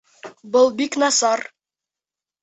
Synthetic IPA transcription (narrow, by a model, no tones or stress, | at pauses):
bɤlˠbiknɑsɑɾ